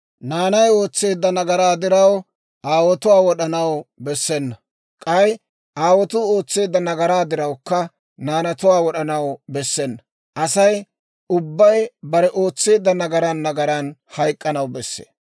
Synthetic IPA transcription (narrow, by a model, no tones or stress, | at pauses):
naːnɐjo̞ːt͡sːe̞ːd̪ːɐnɐɡɐɾaːd̪ɪɾɐw | ʔaːwɔt̪ʊwaːwɔɗɐnɐwbɛsːɛnːɐ | kʼɐj | ʔaːwɔt̪ʊo̞ːt͡sːe̞ːd̪ːɐnɐɡɐɾaːd̪ɪɾɐwkːɐ | naːnɐt̪ʊwaːwɔɗɐnɐwbɛsːɛnːɐ | ʔɐsɐj | ʊbːɐjbɐɾɛʔo̞ːt͡sːe̞ːd̪ːɐnɐɡɐɾɐnːɐɡɐɾɐnhɐjkʼːɐnɐwbɛsːḛː